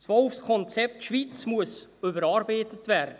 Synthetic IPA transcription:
sʋɔlfskʰɔnt͡sɛp̚tʃʋit͡smuəsʏbəɾɑːɾbeɪtətvɛːɾdə

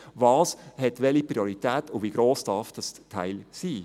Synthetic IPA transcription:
ʋɑːshɛtʋɛlipɾioɾitɛːtʊʋiɡ̥ɾoːsd̥ɑfd̥ɑstʰaɪlsiː

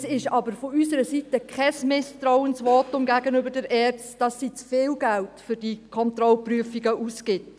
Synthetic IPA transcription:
sɪʃɑbəɾfoysəɾəsitəkʰχɛsmɪstɾaʊənsʋɔtʊmɡæɡənʏbəɾdɛɾʔɛːrt͡std̥ɑsːiːt͡sfɪːlɡæltfʏɾd̥ikʰɔntɾɔlpryəfiɡəʔuskɪt

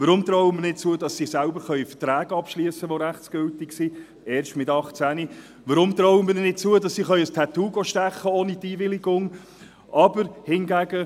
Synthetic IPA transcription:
ʋəɾʊmt̪ɾɔwəmɪnɪt̚t͡suədɑsisælbəɾχœʏfə̥tɾæːɡɑpʃliəsəʋoɾæχtsɡ̥ʏltɪksi | ɛːɾʃtmɪtɑχt͡sæni | ʋəɾʊmt̪ɾɔwəmɪnnɪt̚t͡suədɑsːiχœʏəstʰɛt̪uːɡoʃtɛχːəoːnitiːvɪliɡʊŋ | ʔɑbəɾhɪnɡæɡə

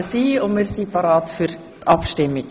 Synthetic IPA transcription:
siːɔməɾsiːpɑɾɑːt̪fœɾ | ɑːpʃtɪmɪ

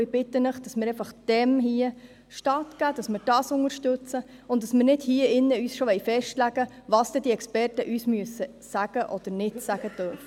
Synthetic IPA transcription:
ɪb̥ɪt̪ːənəχd̥ɑsmɪɾɛfɑχd̥ɛmɦiə | ʃtɑtɡ̥æːd̥ɑsmɪːɾd̥ɑːsʊŋəɾʃtɵt͡səʊnt̚d̥ɑsmɪːɾnɪdhiːəɪnːəyːsʃoʋɛjfɛʃtlæɡ̥əʋɑːsd̥̪ɛd̥iɛkspɛrtəʔyːsmyəsə | sæɡ̥əʔɔd̪̥əɾnɪtsæɡ̥ətœrf

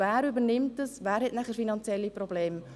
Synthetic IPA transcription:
væːɾybənɪmtəsʋæːɾɦhɛtnæχəɾfinɑnt͡sjɛlːiprobleːm

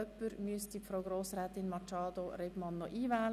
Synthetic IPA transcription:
œpːəɾmyəstifɾoʊɡɾoːsrɛːt̪ɪnmɑt͡ʃɑːd̪oɾeb̥mɑnːɔʔiːvɛːl

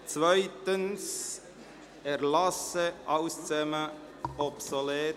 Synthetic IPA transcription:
t͡svœɪtəns | ɛɾlɑsəʔɑʊst͡sɛmə | ɔpsoleː

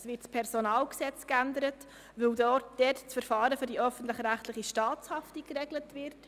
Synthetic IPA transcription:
sʋɪːtspʰɛɾsonɑːlksɛt͡skændəɾət | ʋɵwdɔːd̥ɛtt͡sfəɾfɑːɾəfʏɾdiœfən̩tləχɾæχtləχiʃtɑːt͡shɑftikɾɛɡlətvɪɾt

